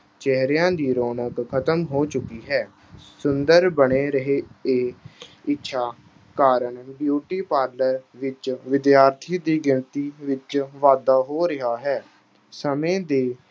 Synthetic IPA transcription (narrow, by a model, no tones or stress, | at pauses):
t͡ʃɛɦɾejãːd̪iːɾoːnəkkʰət̪əmɦoːt͡ʃʊkiːɦɛː | sʊnd̪əɾbəɳeːɾəɦeːeːɪtːʃʰaː | kaːɾəɳbjuːʈiːpaːɾləɾʋɪt͡ʃʋɪd̪jaːɾt̪ʰiːd̪iːɡɪnt̪iːʋɪt͡ʃʋaːd̪aːɦoːɾɪɦaːɦɛː | səmẽːd̪eː